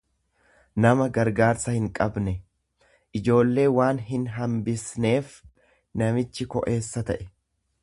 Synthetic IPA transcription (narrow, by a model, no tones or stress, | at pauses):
nɐmɐɡɐɾɡaːɾsɐhɪŋkʼɐbnɛ | ʔɪd͡ʒo̞ːlːe̞ːwaːnɦɪnɦɐmbɪsne̞ːf | nɐmɪt͡ʃːɪkɔ̰ʔe̞ːsːɐt̪ɐʔɛ̥